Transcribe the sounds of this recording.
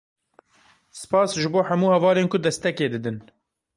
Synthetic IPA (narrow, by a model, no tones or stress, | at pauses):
sɨ̥pɑːsʒɨboːħæmuːhɛvɑːleːnkʰʊd̪ɛst̪ɛkeːd̪ɨd̪ɨn